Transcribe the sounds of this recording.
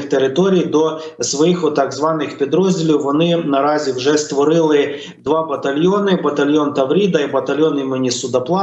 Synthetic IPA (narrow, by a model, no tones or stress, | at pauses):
xt̪eɾɪt̪ɔɾʲijd̪ɔsʋɔjixɔt̪ɑɡzʋɑnɪxpʲid̪ɾɔzʲdʲilʲiwʋɔnɪnɐɾɑzʲiwʒɛst̪ʋɔɾɪlˠɪ | d̪ʋɑbɐt̪ɐlʲjonɪbɐt̪ɐlʲjont̪ɐʋɾʲid̪ɐibɐt̪ɐlʲjɔnimʊnʲisʊd̪ɐplˠɑ